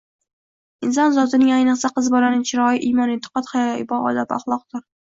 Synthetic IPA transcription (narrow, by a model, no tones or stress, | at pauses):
ɪnsɒnzɒt̪ɪnɪŋajnɨqsaqʰɨzbɒɾanɪt͡ʃʰɪɾɒjiʔimɒnɪnt̪ʰɨ̥qɒt̪χajɒɪbɒɒ̰d̪apɑ̰χlˠɒq̚t̪ʊɾ